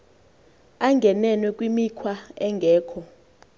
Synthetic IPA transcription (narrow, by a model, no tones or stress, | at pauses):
aŋɡʱɛnɛnwɛkʼwimikʰwaɛŋɡʱɛːkʰɔ